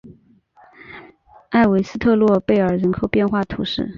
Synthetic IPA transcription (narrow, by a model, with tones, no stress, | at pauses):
a˥˩ɪwe˧˥ɪsɹ̩˥t̪ʰɤ˥˧lwɔ˥˧pe˥˩ɪə˞˨˩ɻə˧˥nkʰo˨˩ʊpjɛ˥˧nxwa˥˩t̪ʰu˧˥ʂɻ̩˥˩